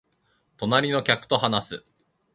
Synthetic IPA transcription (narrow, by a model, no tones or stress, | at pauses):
t̪o̞naɾʲino̞kʲakɯ̥t̪o̞ɦanasɨ